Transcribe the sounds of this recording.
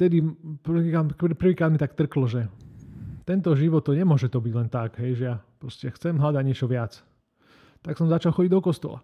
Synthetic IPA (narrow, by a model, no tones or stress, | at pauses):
t̪ɛd̪iprikapr̩ʋiːkɾaːd̪mit̪akt̪r̩klɔʒɛ | t̪ɛnt̪ɔʒiʋɔt̪ːɔɲɛmʊɔʒɛt̪ɔbiɟlɛnt̪aɡɦɛjʒɛjapɾɔscɛakxt͡sɛmɦlad̪aɟɲɪɛt͡ʃɔʋɪat͡s | t̪aksɔmzat͡ʃalxɔɟiɟd̪ɔkɔst̪ɔ̰la̰